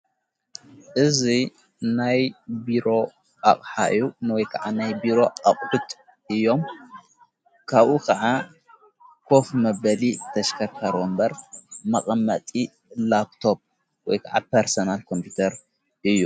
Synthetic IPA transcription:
ʔɨzi | najbiɾo̞ | ʔa̰χʼħaʔɨ̰jːunwɔjkʰɐʕanajbiɾo̞aχʼħut̪ | ʔɨjːo̞m | kʰaβʔukʰɐʕa | kʰo̞fmɐbɐlit̪ʰɐʃkʰɐɾkʰɐɾwombɐɾmɐχʼɐmːɐt̪ʼi | lap̚t̪ʰo̞b̚ | wɔ̰jkʰaʕa̰peɾsonalkʰo̞mpʰut̪ʰɐɾ | ʔɨjːu

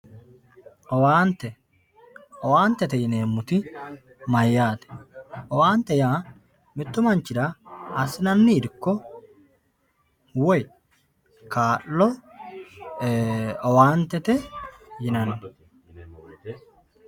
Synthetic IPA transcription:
ɔwaːnt̪ɛ | ɔwaːnt̪ɛt̪ɛjɪneːmːʊt̪ɪ | mɐjːaːt̪ɛ̥ɔwaːnt̪ɛjaː | mɪt̪ːʊmɐnt͡ʃɪd̪aɐsɪnɐnːiːd̪ɪkːɔ | wɔj | kaːʔːɔ | ɔwaːnt̪ɛt̪ɛjɪnɐn

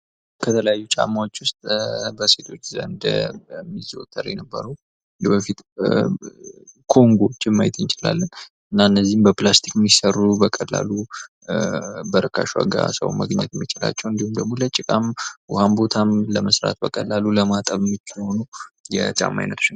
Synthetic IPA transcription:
kʰət̪ʰələjajːut͡ʃʼa̰mːawot͡ʃːwʊst̪ʼbəse̞t̪ʰo̞t͡ʃːzə̰ɨnd̪mːizot̪ʰːəɾɛnəbːə̰ɾəw | bəfit̪ | kʰo̞ŋɡot͡ʃːɪmːajt̪ɨnt͡ʃɪla̰lːən | ɨnːaɨnːəzːihmbəplast̪ʰi̥kmːisərːubəkʼəlːa̰lu | bəɾəkʰa̰ʃwa̰ɡa̰sə̰wmə̰ɡɲɛt̪jɛmːit͡ʃɪla̰t͡ʃːɛwɨnd̪ihumd̪əmulət͡ʃʼɪkʼamwʊhambo̞t̪ʰamləməsɾa̰t̪bəkʼəlːaluləmat̪ʼəβmːit͡ʃːho̞nujɛ̰t͡ʃʼa̰mːa̰jnːət̪u̥n

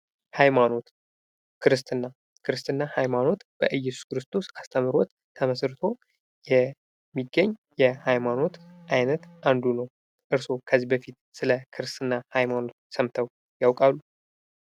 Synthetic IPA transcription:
hajmano̞t̪ | kʰɨɾɨst̪ʰɨnːa | kʰɨɾɨst̪ɨnːahajmano̞t̪b̥əʔɨjːɛsu̥skɨɾɨst̪ʰo̞sast̪ʰəmɨɾot̪ | t̪ʰːəməsɾɨt̪ʰo̞ | jɛ | mːiɡːəɲːjɛhajmano̞t̪ʔajnət̪ʔand̪unəw | ʔɨɾso̞kʰəzibəfit̪sɨləkʰɨɾɨst̪ɨnːahajmano̞t̪̚səmt̪ʰəw | jawkʼalːu

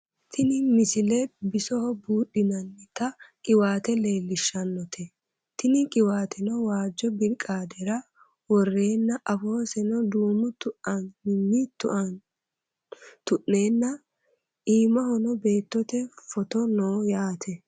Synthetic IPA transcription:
t̪ʰɪnɪmɪsɪlɛbɪsɔhɔbuːɗɪnɐnːɪt̪ɐkʼɪwaːt̪ɛle̞ːlːɪʃːɐnːɔt̪ʰɛ | t̪ɪnɪkʼɪwaːt̪ʰɛnɔwaːd͡ʒːɔbɪɾkʼːaːd̪ɛɾɐ | wɔrːe̞ːnːɐʔɐfo̞ːsɛnɔd̪uːmʊt̪ʊʔɐnːɪmːɪt̪ʊʔn | t̪ʊʔne̞ːnːɐ | ʔiːmɐhɔnɔbe̞ːt̪ːɔt̪ɛfɔt̪ɔnoːjaːt̪ʰɛ

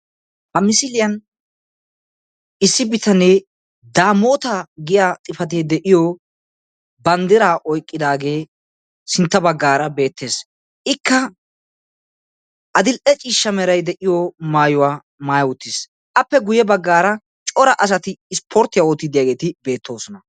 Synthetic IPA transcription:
hɐmɪsɪlɪjɐn | ɪsːɪbɪt̪ʰɐne | d̪aːmoːt̪aɡɪjaːt̪ʼɪfɐt̪̬eːd̪ɛʔɪjɔ | bɐnd̪ɪɾaːʔɔjkʼːɪd̪aːɡe̞ː | sɪnt̪ːɐbɐɡːaːɾɐbe̞ːt̪ʰːeːs | ʔɪkːɐ | ʔɐd̪ɪlʔɛt͡ʃʼiːʃːɐmɛɾɐjd̪ɛʔɪjɔmaːjʊwaː | maːjɐʊt̪ːɪs | ʔɐpːɛɡʊjɛbɐɡːaːɾɐ | t͡ʃʼɔɾɐʔɐs̬ɐt̪ɪːspʰoɾt̪ːɪjaoːt̪ːɪd̪ɪjaːɡe̞ːt̪ɪbe̞ːt̪ʰːo̞ːsɔnɐ

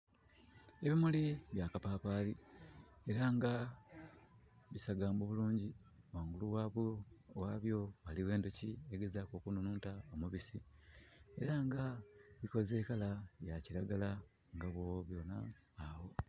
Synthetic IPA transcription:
e̞βimuliβjaːkapaːpaːli | e̞ɾaŋɡa | βisaɡaːmboβuluːɲɟi | waːŋɡuluwaːβowaːβjo̞aliwe̞ːndocieɡe̞zaːkoːkununuːntao̞muβisi | e̞̰ɾaŋɡaβiko̞ze̞kalajaciɾaɡala | ŋɡaβwo̞βjo̞na̰ːwo̞

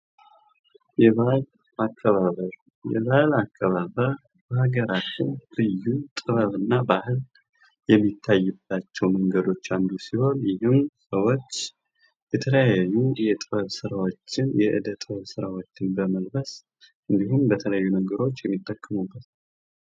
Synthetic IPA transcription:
jɛβal | akʰːəβaβəɾ | jɛ̰βalakʰːəβaβəɾ | bəhaɡəɾat̪ʰɨnlɨjːut̪ʼɨβəβɨnːabahɨl | jɛmːit̪ʰːajːɨbat͡ʃːɛwməŋɡəd̪o̞t͡ʃːand̪usiho̞njɪhɨmsəwo̞t͡ʃː | jɛt̪ʰələjaajːujɛt̪ʼɨβəβsɨɾawo̞t͡ʃːɪnjɛʔɨ̰d̪ət̪ʼɨβəβsɨɾawo̞t͡ʃːɪnbəməlbəs | ʔɨnd̪ihumbət̪ʰələjːunəɡəɾo̞t͡ʃːjɛmːit̪ʰːəkʰːəmubːət̪

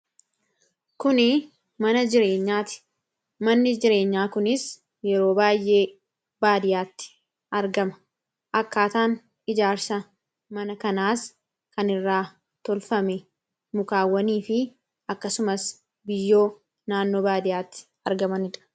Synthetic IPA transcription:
kʊnɪ | mɐnɐd͡ʒɪɾe̞ːɲːaːt̪ɪ̥ | mɐnːɪd͡ʒɪɾe̞ːɲːaːkʊnɪs | jɛɾo̞ːbaːjʔe̞ː | baːd̪ɪjaːt̪ːɪ̥ | ʔɐɾɡɐmɐ̥ | ʔɐkːaːt̪aːn | ɪd͡ʒaːɾsɐ | mɐnɐkɐnaːs | kɐnɪrːaː | t̪ɔlfɐmɛ | mʊkaːwːɐniːfɪ | ɐkːɐsʊmɐs | bɪjːo̞ː | naːnːo̞ːbaːd̪ɪjaːt̪ːɪ̥ | ɐɾɡɐmɐnɪᶑɐ̥

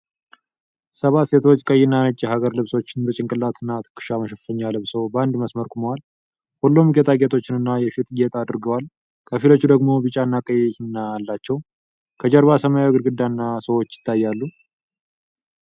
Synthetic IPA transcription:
səβat̪se̞t̪ʰo̞t͡ʃːkʼəjɪnːanət͡ʃʼːɛɦaɡəɾlɨβso̞t͡ʃːɪnɨɾɨt͡ʃʼɪŋkʼɨlːat̪ʰɨnːat̪ʰɨ̥kʰɨ̥ʃaməʃɛfəɲːalɨβsowbəand̪məsməɾkʰuməwal | hulːomɡet̪ʰaɡet̪ʰo̞t͡ʃːɪnɨnːajɛfit̪ʼɡet̪ʼad̪ɾɡəwal | kʰəfilo̞t͡ʃːud̪əɡmo̞bɨt͡ʃʼanːakʼəjɛhnːaalːat͡ʃːɛw | kʰəd͡ʒɛɾβasəmajaɡɨɾɡɨd̪ːanːasəwo̞t͡ʃːjɪ̥t̪ʰːajːalːu

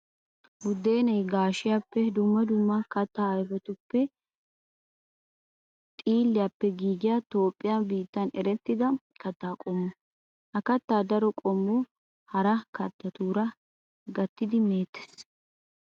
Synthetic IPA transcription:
wʊd̪e̞ːnɐjɡaːʃɪjapːɛd̪ʊmːɐd̪ʊmːɐkɐt̪ːaːɐjfɔt̪ʊpːɛ | t̪ʼiːlːɪjapːɛɡiːɡɪjat̪o̞ːpʼːɪjabiːt̪ːɐnɛɾɛt̪ːɪd̪ɐ | kɐt̪ːaːkʼɔmːʊ | hɐkɐt̪ːaːd̪ɐɾɔkʼɔmːu | hɐɾɐkɐt̪ːɐt̪uːɾɐ | ɡɐt̪ːɪd̪ɪmeːt̪ːɛ̥s

